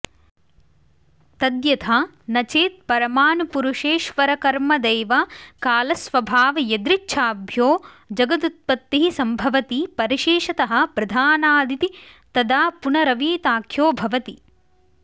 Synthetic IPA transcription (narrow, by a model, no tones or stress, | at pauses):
t̪ɐd̪jɐt̪ʰaː | nɐt͡ʃeːt̪̚pɐɾɐmaːnupuɾuʂeːʃʋɐɾɐkɐɾmɐd̪eːʋɐkaːlɐsʋɐbʱaːʋɐjɐd̪ɾit͡ʃːʃʰaːbʱjoː | d͡ʒɐɡɐt̪ut̪̚pɐt̪ːiɦisɐmbʱɐʋɐt̪ipɐɾiʃeːʂɐt̪ɐɦɐ̆pɾɐd̪ʱaːnaːd̪ʱit̪it̪ɐd̪aːpunɐɾɐʋiːt̪aːkʰjoːbʱɐʋɐt̪i